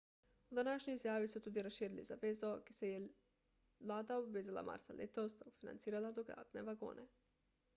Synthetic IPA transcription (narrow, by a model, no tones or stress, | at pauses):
ud̪anaʃɲojizjaːʋisut̪uːd̪iɾasʃiːɾilḭzabezoɡe̥seje | laːd̪aobʋezalˠa̰ma̰ɾsa̰lʲʔet̪o̞st̪ufina̰nt̪siːɾalˠad̪oɡa̰ːt̪neʋaɡo̰ːnʔe